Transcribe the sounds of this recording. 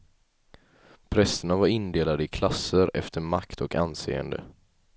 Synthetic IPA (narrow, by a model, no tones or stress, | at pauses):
pʰɾɛsəɳavaɾɪnd̪eːlad̪əɪkʰlasːəɾɛ̰ft̪ʰəɾmakt̪ʰɔkansḛːə̰nd̪ə̰